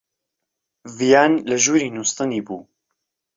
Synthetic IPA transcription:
vijaːnləʒuːɾiːnust̪ɨniːbuː

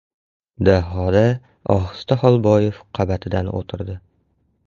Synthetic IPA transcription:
d̪aɦɒd̪a | ɒ̰χɨ̥st̪aχɒlˠbɒjefqʰɑbat̪ʰɪd̪ano̰t̪ʰɪɾd̪ɪ

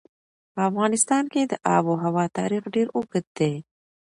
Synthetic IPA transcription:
pəafɣɑnɪst̪ɑnked̪əʔɑ̰boɦawɑt̪ɑ̰ɾixɖeɾʊɡət̪̚d̪e

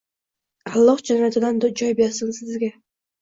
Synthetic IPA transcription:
alˠːɒχd͡ʒanjat̪ʰɪd̪and͡ʒɒjbɪjasɪnsɪzɡʲa

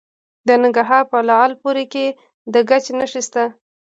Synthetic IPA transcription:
d̪ənɪŋɡɾaɾɦɑɾpəlɑalpoɾeke | d̪əɡat͡ʃenəʂist̪a

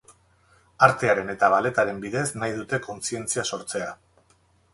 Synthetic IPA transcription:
aɾt̪e̞aɾe̞ne̞t̪aβ̞ale̞t̪aɾe̞mbiðe̞snajðut̪e̞ko̞nsie̞nt͡siaso̞ɾt͡se̞a

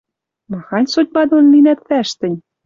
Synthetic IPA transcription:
mɑxɑnʲsot̪̚ʲbɑd̪onlinæt̪fæʃt̪ɘ̆nʲ

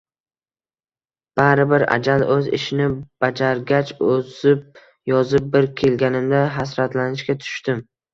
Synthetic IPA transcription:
b̥aɾɪbɪɾa̰d͡ʒalɵzɪ̰ʃɪnɪb̥ad͡ʒaɾɡʲat͡ʃɵzɪp̚ | jɒzɪp̚bɪɾkʲʰe̞lɡʲanɪmd̪aɦas̬ɾat̪lanɪʃkʲat̪ʰʊ̥ʃt̪ɪm

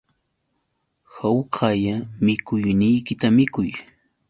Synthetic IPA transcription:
hawqʰajamɪkʊjnɪjkɪt̪amɪkʊj

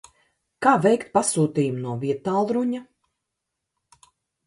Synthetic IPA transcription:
kaːvʲɛjkt̪̚pasuːt̪iːjumnuɔviɛt̪aːlˠɾuɲa

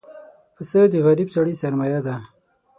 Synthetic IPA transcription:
pəsəd̪iɣɐɾibsɐɽisɐɾmajad̪a

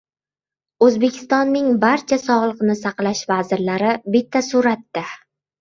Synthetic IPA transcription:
ɵzbe̞kʲʰɪ̥st̪ɒnːɪŋbaɾt͡ʃʰasɒʁlˠɨqnɪsaqlaʃvazɪɾlaɾɪbɪt̪ʰːasuɾat̪ːa

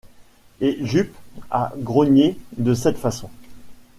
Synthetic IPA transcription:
eʒypa̰ɡʁɔɲjed̪əsɛt̪fasɔ̃

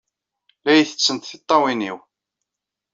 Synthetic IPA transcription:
læjəθə̥t͡sːənt̪θit̪ˤːɑwiniw

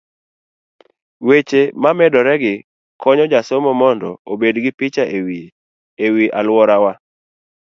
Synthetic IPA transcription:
wet͡ʃemamɛdɔɾɛɡɪ | kʰɔɲɔd͡ʒasomɔmɔndɔ̰obedɡɪpɪt͡ʃaʔewi | ewiʔalwɔɾawa

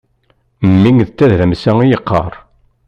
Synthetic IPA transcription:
mːiŋðət͡sːæððæmsæijəqːɑ̰ɾˤ

